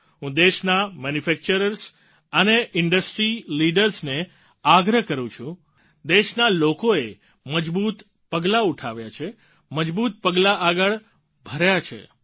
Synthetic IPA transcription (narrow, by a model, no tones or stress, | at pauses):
ɦũd̪eʃnamɛnufɛk̚t͡ʃəɾəɾs | əneʔɪɳɖəsʈɾiliɖəɾsne | aɡɾəkəɾũt͡ʃʰũ | d̪eʃnalokoe | məd͡ʒbut̪ | pəɡlauʈʰaʋja̰t͡ʃʰe | məd͡ʒbut̪pəɡlaʔaɡəɭ | bʱəɾjat͡ʃʰḛ